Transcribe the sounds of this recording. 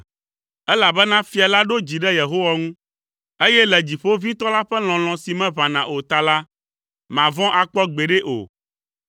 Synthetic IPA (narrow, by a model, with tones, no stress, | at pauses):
ɛ˦la˨bɛ˦nã˦fi˨a˨la˦ɖo˦d͡ʑi˨ɖɛ˦je˨ɦo˦wa˦ŋũ˦ | e˦jɛ˦lɛ˨d͡ʑi˨ɸo˦vĩ˦t̪ɔ˦la˦ɸɛ˦l̃ɔ̃˨l̃ɔ̃˨si˨mɛ̃˦βã˨nã˨ʔo˨t̪a˨la˦ | mã˨vɔ̃˦ʔa˨k͡pɔ˦ɡ͡be˨ɖɛ˦ʔo̰˨